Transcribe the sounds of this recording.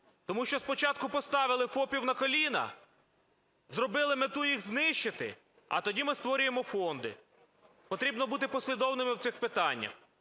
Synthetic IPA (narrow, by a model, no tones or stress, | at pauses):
t̪ɔmuʃt͡ʃɔspɔt͡ʃɑt̪kʊpɔst̪ɑʋɪlˠɪfɔpʲiwnɐkɔlʲinɐ̰ | zɾɔbɪlˠɪmɪt̪ujiɣznɪʃt͡ʃɪt̪ɪ̰ | ɐ̰t̪ɔdʲimɪst̪ʋɔɾʲʊjemɔfɔnd̪ɪ̰ | pɔt̪ɾʲibnɔbut̪̬ɪpɔsʲlʲid̪ɔwnɪmɪwtsɪxpɪt̪ɑnʲːɐ̰x